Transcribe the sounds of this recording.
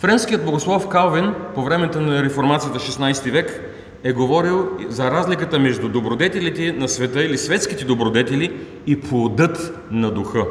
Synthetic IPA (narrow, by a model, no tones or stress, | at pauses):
fɾɛnskijəd̪̚boɡoslˠɔfkalˠvinpovɾɛmɛt̪ənɐɾɛfoɾmat̪sijət̪əʃɛsnajst̪ivɛk | ɛɡovɔɾilˠzɐɾazlikət̪əmɛʒd̪ud̪obɾod̪ɛt̪ɛlit̪ɛnɐsvɛt̪ɤilisvɛt̪sk̟it̪ɛd̪obɾod̪ɛt̪ɛli | iplˠod̪ɤt̪ | nɐd̪uxɤ